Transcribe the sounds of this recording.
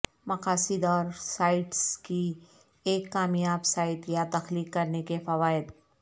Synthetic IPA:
mɐqaːsɪd̪ɔːɾsaːɪʈski | eːkːaːmjaːbsaːɪt̪jat̪ɐxliːkkːɐɾnekefɐʋaːɪd̪

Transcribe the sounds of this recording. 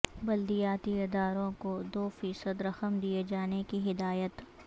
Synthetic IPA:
bɐld̪ijaːt̪iɪd̪aːɾõkod̪oːfiːsəd̪ɾɐxəmd̪ied͡ʒaːnekiɦɪd̪aːjət̪

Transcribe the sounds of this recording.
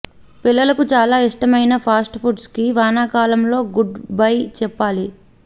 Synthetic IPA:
pilːɐlɐkut͡ʃaːlaːiʂʈɐmɐjnɐpʰaːsʈpʰuʈskiʋaːnaːkaːlɐmlo̞ːɡuɖbɐjt͡ʃɛpːaːli

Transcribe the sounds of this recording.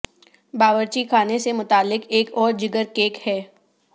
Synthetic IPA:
baːʋəɾt͡ʃikʰaːnesemʊt̪aːlːɪkeːkɔːɾd͡ʒɪɡəɾkeːkhɛː

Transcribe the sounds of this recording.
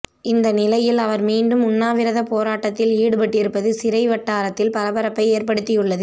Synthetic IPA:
ɪnd̪ɐnɪlɐjɪlɐʋɐɾmiːɳɖɯmʊnːaːʋɪɾɐðɐpoːɾaːʈːɐt̪ːɪliːɽɯpɐʈːɪɾɯpːɐðɯsɪɾɐɪʋɐʈːaːɾɐt̪ːɪlpɐɾɐbɐɾɐpːɐɪeːɾpɐɽɯt̪ːɪjɯɭːɐðɯ

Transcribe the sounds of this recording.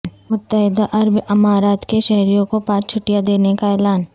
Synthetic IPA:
mʊt̪ːəɦɪd̪aʔɐɾbɐmaːɾaːt̪keʃɛɦɾijõkopãːt͡ʃt͡ʃʰʊʈijad̪eːnekaɛːlaːn

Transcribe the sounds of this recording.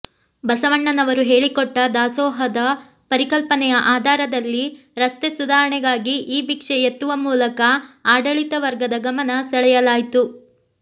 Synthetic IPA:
bɐsɐʋɐɳːɐnɐʋɐɾuɦeːɭikɔʈːɐd̪aːsɔːɦɐd̪ɐ | pɐɾikɐlpɐnɛjɐʔaːd̪ʱaːɾɐd̪ɐlːi | ɾɐst̪esud̪ʱaːɾɐɳɛɡaːɡiʔiːbikʂɛjet̪ːuʋɐmuːlɐkɐaːɖɐɭit̪ɐʋɐɾɡɐd̪ɐɡɐmɐnɐsɐɭɛjɐlaːjit̪u

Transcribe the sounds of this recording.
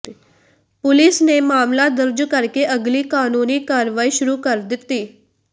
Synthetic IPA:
pʊlɪsneːmaːmlaːd̪əɾd͡ʒkəɾkeːʔəɡliːkaːnuːniːkaːɾʋaːiːʃʊɾuːkəɾd̪ɪt̪ːiː

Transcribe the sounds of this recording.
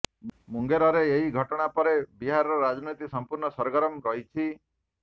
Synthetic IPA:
muŋɡeɾɔɾeːɦiɡʱɔʈɔɽ̃apɔɾebiɦaɾɔɾɔɾad͡ʒɔnot̪isɔmpuɾɳɔsɔɾɡɔɾɔmɾɔɦit͡ʃʰi

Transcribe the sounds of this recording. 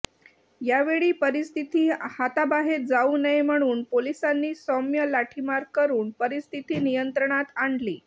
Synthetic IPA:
jaʋeɭiːpəɾist̪ʰit̪iːhat̪abaɦet̪̚d͡zauːnəjm̤əɽ̃uːnpolisanːiːsɔmjəlaʈʰimaɾkəɾuːnpəɾist̪ʰit̪iːnijənt̪ɾəɳ̃at̪aɳɖliː

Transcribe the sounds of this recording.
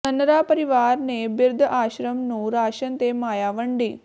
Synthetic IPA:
ɐnɐɾaːpɐɾiʋaːɾnebiɾd̪ʱəʔaːɕɾɐmnuːɾaːɕɐnt̪emaːjaːʋɐɳɖiː

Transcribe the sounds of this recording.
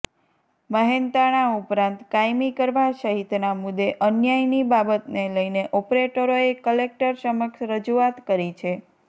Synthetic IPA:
məɦent̪aɽ̃aupɾãnt̪kajmikəɾʋaʃəɦit̪namud̪ːeʔənjajnibabət̪neləineʔɔpɾeʈəɾoekəlek̚ʈəɾsəməkʃɾəd͡ʒuat̪kəɾit͡ʃʰe

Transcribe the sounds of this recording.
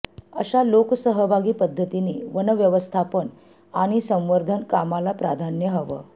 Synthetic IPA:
ə̰ɕaloksəɦəbʱaɡiːpəd̪ʱːət̪iniːʋənəʋjəʋəst̪ʰapən | aɽ̃isə̃w̃ʋəɾd̪ʱənkamalapɾad̪ʱanjəɦəʋə̰

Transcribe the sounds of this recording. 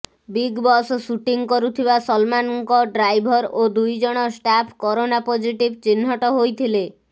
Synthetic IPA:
biɡbɔssuʈiŋkɔɾut̪ʰibasɔlmanɔŋkɔɖɾajbʱɔɾod̪ujd͡ʒɔɽ̃ɔsʈapʰkɔɾonapod͡ʒiʈibt͡ʃinːɔʈɔɦojt̪ʰile

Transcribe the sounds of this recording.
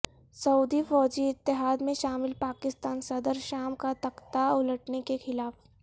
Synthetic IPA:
sɐuːd̪ifɔːd͡ʒiɪt̪ːɪɦaːd̪mẽʃaːmɪlpaːkɪst̪aːnsɐd̪əɾʃaːmkat̪ɐqt̪aʊləʈnekexɪlaːf

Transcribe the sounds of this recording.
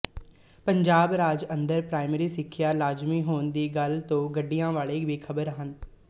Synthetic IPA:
pəɲd͡ʒaːbɾaːd͡ʒənd̪əɾpɾaːɪmeːɾiːsɪkʰːjaːlaːd͡ʒmiːɦoːnd̪iːɡəlt̪õːɡəɖːijãːʋaːɭeːʋiːkʰəbəɾɦən

